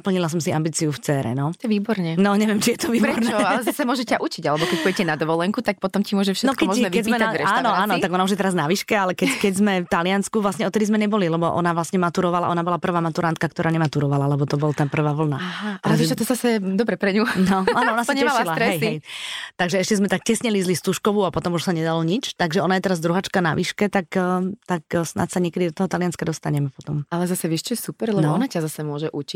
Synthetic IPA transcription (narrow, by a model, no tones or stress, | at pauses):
pl̩ɲilas̬ɔmsiambiːt͡siuft͡sɛːɾɛ̰nɔt̪ɛʋiːbɔɾɲɛnɔɲɛʋjɛmt͡ʃijɛt̪ɔʋiːbɾɛɔɾnɛalɛzasɛmʊɔʒɛcaʔut͡ʃiɟalɛbɔkɛc̚puɟɛcɛnad̪ɔʋɔlɛŋkut̪ak̚pɔt̪ɔmcimʊɔʒɛfʃɛnɔkɔɛmɔʒɛʋkiɛzimɛnaɾɛʃtaːnɔaːnɔt̪aɡɔnauʒjɛt̪ɛɾaznaʋiʃkɛalɛkɛkɛɟzmɛft̪alɪanskuʋlasɲɛɔt̪ːɛd̪izmɛɲɛbɔlilɛbɔʔɔ̰naʋlasɲɛmat̪uɾɔʋala̰ʔɔnabɔlapr̩ʋaːmat̪uɾant̪̚kakt̪ɔɾaːɲɛmat̪uɾɔʋalalɛbɔt̪ɔbɔlt̪ɛnpr̩ʋaːʋl̩naaalɛzat͡ʃat̪ɔzasɛd̪ɔbɾɛpɾɛɲunɔanɔɔnasaɲɛɛaʃlilaɾɛɦɛjɦiɛjt̪aɡʒɛɛʃcɛzmɛt̪ak̚cɛsɲɛlizlist̪uʃkɔʋuapɔt̪ɔmuʃsaɲɛd̪alɔɲit͡ʃt̪aɡʒɛɔnajɛt̪ɛɾazd̪ɾuɦat͡ʃkana̰ʋiʃkɛt̪akːt̪aksna̰t̪saɲɪɛkɛd̪id̪ɔt̪ɔɦɔt̪alɪanskad̪ɔst̪aɲɛmɛpɔt̪ɔmalɛzasɛʋiʃt͡ʃuɛsupɛɾlɛbɔɔnacazasɛmʊɔʒɛʔut͡ʃi